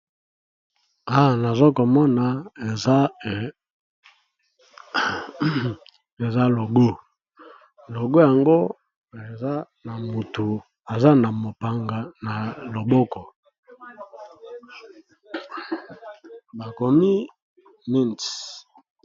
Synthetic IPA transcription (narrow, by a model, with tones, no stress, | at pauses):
a˦˨na˨zo˦ko˨mɔ˦na˨e˨a˦˨ | e˨za˦lo˨ɡo˦ | lo˨ɡo˦ja˨ŋɡo˦ | e˨za˦ | na˨mu˨tu˨ | a˨za˦na˨mo˨pa˨ŋɡa˨na˨lo˨bɔ˦kɔ˨ | ba˨ko˨mi˦ | mi˦n